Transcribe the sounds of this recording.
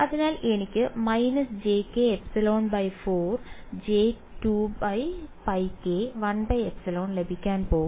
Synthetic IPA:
ɐðinaːleɳikʲːɨmɐjnɐsd͡ʑeːkːeepsiloːnbɐjfoːrd͡ʑeː | tubɐjbɐjkeːʋɐnbɐjepsilo̞ːnle̞bʱikʲːaːnpo̞ː

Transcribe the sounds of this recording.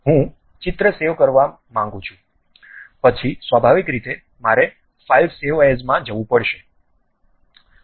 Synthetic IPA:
ɦũ | t͡ʃɪt̪ɾəseʋkəɾʋa | mãŋɡũt͡ʃʰũ̥ | pət͡ʃʰisʋabʱaʋikɾit̪e | maɾe | failfseʋaezmãd͡ʒəʋũpəɽʃe

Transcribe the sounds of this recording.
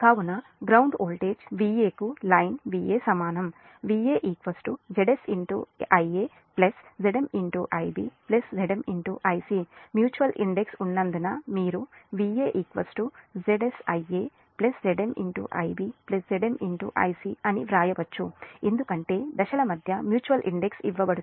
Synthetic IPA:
kaːwunɐɡɾɐwɳɖoːlʈeːd͡ʒʋiːjeːkulɐjnʋiːjeːsɐmaːnɐm | ʋiːeːʔiːkʋɐsʈud͡ʒeɖesiɳʈṵɐjeː | plɐsd͡ʒeɽemiɳʈuʔɐjbiːplesd͡ʒeɽɐmiɳʈuʔɐjsimjuːt͡ʃuʋɐlʔḭɳɖeksunːɐnd̪unɐmiːɾuʋiːjeːʔiːkʋɐsʈud͡ʒeɖesɐjeː | plesd͡ʒeɖemḭɳʈṵʔɐ̰jbiplesd͡ʒeɖemiɳʈuʔɐ̰jsiɐniʋɾaːjɐʋɐt͡ʃːuend̪ukɐɳʈe̞ːd̪ɐʃɐlɐmɐd̪ʱjɐmjuːt͡ʃuʋɐlʔḭɳɖeksiʋːɐbɐɽu

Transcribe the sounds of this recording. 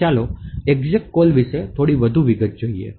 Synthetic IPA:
aloeɡd͡ʒek̚ʈ̚kolʋiʃet̪ʰoɽiʋəd̪ʱuʋiɡət̪̚d͡ʒoiḛ

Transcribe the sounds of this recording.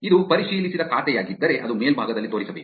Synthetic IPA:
id̪upɐɾiʂiːlisid̪ɐkaːt̪ɛjaːɡid̪ːɐɾe̞ʔɐd̪umeːlbʱaːɡɐd̪ɐlːit̪oːɾisɐbeːku

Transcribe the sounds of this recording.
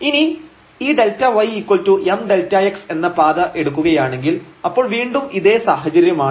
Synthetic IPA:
ini | iːɖe̞ltːɐʋɐjikwɐltuʔemɖe̞ltːɐekse̞nːɐpaːd̪ɐʔe̞ɽukːuɣɐjaːɳe̞ŋɡilɐpːo̞ːɭʋiːɳɖumiðe̞ːsaːɦɐt͡ɕɐɾjɐmaː

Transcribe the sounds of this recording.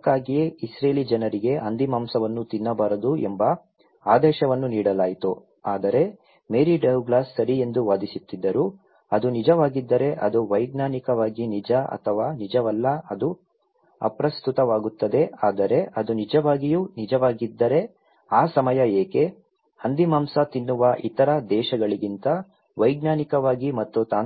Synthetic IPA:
kːaːɡijeisɾeːlid͡ʒɐnɐɾiɡe̞ʔɐnd̪imaːmsɐʋɐnːut̪inːɐbaːɾɐd̪uembɐ | aːd̪ɛːʃɐʋɐnːuniːɽɐlaːjt̪u | aːd̪ɐɾe̞ | meːɾiɖɐwɡlaːsːɐɾie̞nd̪uʋaːd̪isut̪ːid̪ːɐɾu | ɐd̪unid͡ʒɐʋaːɡid̪ːɐɾe̞ʔɐd̪uʋɐjɡnaːnikɐʋaːɡinid͡ʒɐɐ̰t̪ʰɐʋaːnid͡ʒɐʋɐlːɐɐd̪u | ɐ̰pɾɐst̪ut̪ɐʋaːɡut̪ːɐd̪e̞aːd̪ɐɾe̞ʔɐd̪unid͡ʒɐʋaːɡijuːnid͡ʒɐʋaːɡid̪ːɐɾe̞ | aːsɐmɐjɐeːke̞ | hɐnd̪imaːmsɐt̪inːuʋɐʔit̪ɐɾɐd̪ɛːʃɐɡɐɭiɡint̪ɐ | ʋɐjɡnaːnikɐʋaːɡimɐt̪ːut̪aː

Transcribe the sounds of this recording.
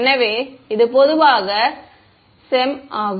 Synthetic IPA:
nːɐʋeːɪðɯpɔðɯʋaːɣɐ | sɛmaːɣ

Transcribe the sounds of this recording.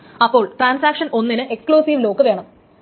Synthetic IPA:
ɐpːo̞ːɭʈraːnsaːkʂɐno̞nːinɨʔekskɭuːsiːʋlo̞ːkːɨʋe̞ːɳɐm

